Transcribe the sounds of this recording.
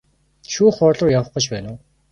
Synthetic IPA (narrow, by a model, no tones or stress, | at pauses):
ʃuːχɔɮʊːjawə̆χɢə̆t͡ɕpæːnʊː